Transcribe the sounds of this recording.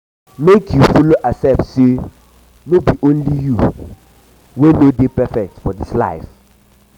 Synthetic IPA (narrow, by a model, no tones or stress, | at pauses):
mekʰjufɔloʔasɛp̚tse | nobiʔõnliju | wenodepɛfɛk̚tfɔdisla̰ɪf